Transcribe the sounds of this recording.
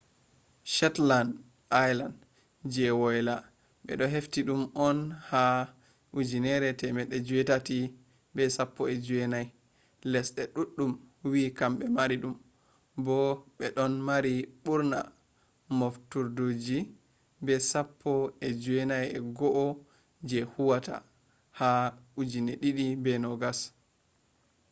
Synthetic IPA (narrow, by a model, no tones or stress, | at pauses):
ʃɛtland | ajland | d͡ʒɛwɔjla | ɓɛ̰ɗɔɦeftiɗumɔnha | ud͡ʒinɛɾɛtɛmɛɗːɛd͡ʒuwɛtati | bɛsapːɔɛd͡ʒuwɛnaj | lɛsɗɛɗuɗːumwikamɓɛmaɾiɗum | bɔɓɛɗɔnmaɾiɓuɾna̰ | moftuɾdod͡ʒi | bɛsapʰːɔɛd͡ʒuwɛnajɛɡɔʔɔ | d͡ʒɛhuwata̰ | haud͡ʒineɗiɗibɛnɔɡas